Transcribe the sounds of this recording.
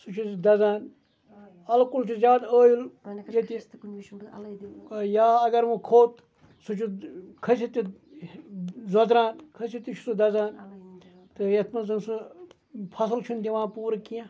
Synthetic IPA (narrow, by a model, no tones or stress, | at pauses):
sut͡ʃʰud̪ɐzaːn | ɐlkult͡ʃʰizʲjaːd̪əːjuljet̪i | jaːɐɡɐɾʋukʰoːt̪ | sut͡ʃʰukʰɐsit̪i | zɐd̪ɾãːnkʰɐsit̪it͡ʃʰu̥sud̪ɐzaːn | t̪ɨjet̪ʰmɐzɐnsu | pʰɐsɨlt͡ʃʰund̪iʋãːnpuːɾɐkijã